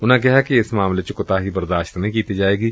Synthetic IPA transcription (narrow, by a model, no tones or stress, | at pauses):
ʊnãk̬ɛɦɛkiɪsmaːmlet͡ʃʊkʊt̪aɦibɐɾd̪aːʃt̪nɐɦĩkiːt̪id͡ʒaːeːɡiː